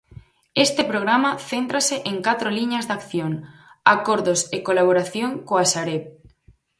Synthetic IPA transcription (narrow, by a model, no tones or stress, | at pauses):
est̪epɾoɣ̞ɾamaθent̪ɾaseʔeŋkat̪ɾoliɲazðakθjoŋakoɾðosekolaβ̞oɾaθjoŋkoasaɾep